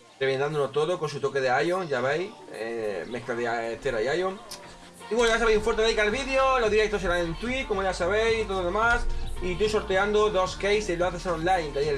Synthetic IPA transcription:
ɾeβend̪and̪onot̪o̞ðoko̞nsut̪o̞keðeajoŋʝaβej | ḛmeklaðeaet̪eɾajajoŋ | iwenojas̬aβejsũfwɾt̪ejikalβiðeoloðiɾek̚t̪os̬eɾanẽnt̪wiko̞moʝasaβ̞e̞jsit̪oðoðe̞masit̪uso̞ɾt̪eand̪oðo̞skejseloaθesonlajnd̪aie

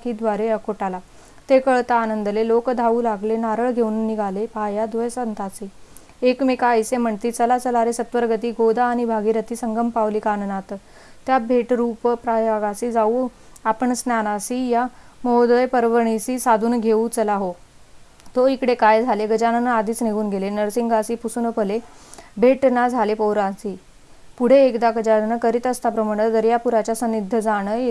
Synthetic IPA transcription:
kiːd̪ʋaɾeəkoʈala | t̪ekəɭt̪aːnənd̪lelokd̪ʱaʋuːlaɡlenaɾəɭɡʱewunːiɡʱalepajad̪ʋəjsənt̪at͡siː | ekmekaəjsem̤əɳt̪iːt͡səlat͡səlaɾesət̪ʋəɾɡət̪iːɡod̪aːɽ̃ibʱaɡiːɾət̪iːsəŋɡəmpaʋlikannat̪ | t̪jabʱeʈɾuppɾajaɡasid͡zau | apəɳsnanasiːja | mɔd̪əjpəɾʋəɽ̃isiːsad̪ʱuːnɡʱeut͡səlaɦo | t̪oikɽekajd͡zʱaleɡəd͡ʑananəad̪ʱiːt͡sneɡuːnɡʱelenəɾsiŋɡasiːpusunəpəlebʱeʈnad͡zʱalepoɾasi | puɽ̤eːkd̪akəd͡ʑaɽnəkəɾit̪əst̪apɾəmaɽ̃əd̪əɾjapuɾat͡ɕjasənid̪ʱːəd͡zaɽ̃ə

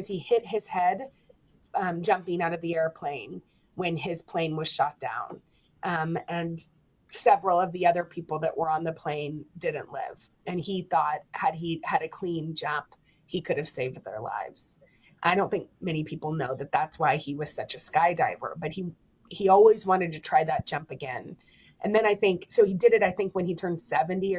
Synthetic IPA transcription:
ʌz̥ihɪt̚hɪz̥hɛd | ʌ̃md͡ʒʌ̃mpɪ̃ŋaʊɾʌvðiɛɹpʰl̥ẽɪ̃n | wɨ̃nɪz̥pʰl̥ẽɪ̃nwʌz̥ʃʌt̚d̥ã̰ʊ̃n | ʔʌ̃mɨ̃n | sɛvɹl̩ˠʌvðiʌðə˞pʰipl̩ˠðɨʔwʔə˞ə̃nðɨpʰl̥ẽɪ̃ndɪdⁿn̩ʔlɪ̰v̥ | ɨ̃niθɔt̚hɨd̚iɨɾɨkʰl̥ĩnd͡ʒʌ̃mp | hikʰʊɾɨv̥seɪvd̪̚ðə̰˞la̰ɪvz̥ | ʔaɪɾõʊ̃nθɪ̃ŋk̚mɛñipʰipl̩ˠnoʊðɨt̪̚ðætswaɪiwʌz̥sʌt͡ʃɨskaɪda̰ɪvə̰˞bʌt̚hi | hiɔlˠwizwɑ̃ɾ̃ɨd̚tʰɨtʰɹ̥aɪðɨt̚d̥ʒ̥ʌ̃mpɨɡɛ̃n | ʔɨ̃nðɨ̃ñaɪθɪ̃ŋksoʊidɨɾɨɾaɪθɪ̃ŋkwɨ̃nitʰɜ̃˞nd̥sɛvɨ̃ntiə

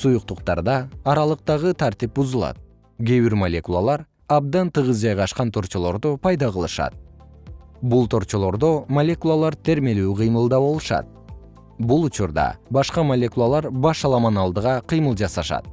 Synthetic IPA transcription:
sujuq̚t̪uqt̪ɑ̰ɾd̪ɑːɾɑlˠɯq̚t̪ɑʁɯt̪ʰaɾt̪ip̚buzɯlˠɑ̰t̪̚ | ɡʲeβiɾmɐlʲe̞kulˠa̰lˠɑɾ | ɑb̚d̪ɑnt̪ɯʁɯzd͡ʒɑjʁɑʃqɑnt̪ʰo̞ɾt͡ʃo̞lˠo̞ɾd̪opʰɑjd̪ɑʁɯlˠɯʃɑ̰t̪̚ | bulˠt̪ʰo̞ɾt͡ʃo̞lˠo̞ɾd̪omɐlʲe̞kulˠalˠɑɾt̪ʰe̞ɾme̞lyːqʰɯjmɯlˠd̪ɑβo̞lˠɯʃɑ̰t̪̚ | bulˠut͡ʃuɾd̪ɑ̰bɑʃqɑmɐlʲe̞kulˠalˠɑɾbɑʃɑlˠɑmɑnɑlˠd̪ɯʁɑqʰɨjmɯlˠd͡ʒɑsɑʃɑ̰t̪̚

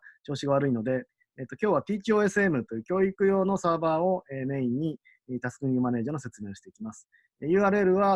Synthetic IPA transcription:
t͡ɕo̞ːɕiɡaβ̞aɾɯino̞d̪e̞ː | t̪ːo̞kʲo̞ːβapʲiːt͡ɕio̞ːe̞sɨe̞mɯ̟t̪o̞jɯːkʲo̞ːikɯ̟jo̞ːno̞saːbaːo̞eme̞ːĩɲ̟ːi | t̪asɨ̥kɯ̃ɲjɯ̟mane̞ːd͡ʑaːnose̞t͡sɨme̞ːoɕi̥t̪e̞ikʲimasɨ̥ | ejɯ̟ːaːɾɯ̟e̞ɾɯ̟βa

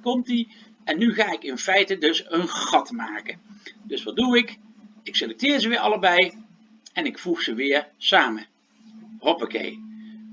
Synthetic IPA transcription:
kɔmti | ɛnːyχaːɪkɪnfɛjtədɵsənχɑtmaːkədɵsʋɑd̚duɪk | ɪkselɛk̚tɪːɹzəʋɪːɹɑləbɛj | ɛnɪkfuχsəʋɪːɹsaːmə | ɦopokḛj

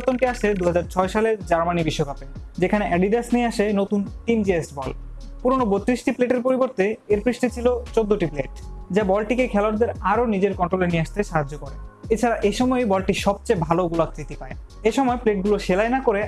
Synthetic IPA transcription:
t̪onʈiaʃed̪uɦad͡ʑaɾt͡ɕʰɔeʃaleɾd͡ʑaɾmanibiʃːokaped͡ʑekʰaneʔɛɖiɖasnieaʃenot̪unʈind͡ʑiesbɔlpuɾonobot̪ɾiʃʈipleʈeɾpoɾiboɾt̪eeɾpɾiʃʈit͡ɕʰilot͡ɕod̪ːoʈipleʈd͡ʑabɔlʈikekʰɛlowaɾd̪eɾaɾonid͡ʑeɾkɔɳʈɾolenieaʃt̪eʃaɦad͡ʑːokoɾeet͡ɕʰaɾaʔeʃɔmɔebɔlʈiʃɔb̚t͡ɕajbʱaloɡulaɾit̪ipae | eʃɔmɔepleʈ̚ɡuloʃelaenakoɾe

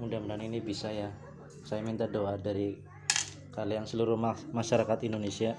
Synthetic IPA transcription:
mudaməɾaninibisaja | sajamint̪adoadaɾi | kalijaŋsəluɾʊhmaʃaɾakat̪indonesia

